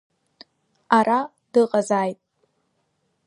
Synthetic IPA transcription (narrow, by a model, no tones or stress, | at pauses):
arʔa | dɨqʼazaːjtʼ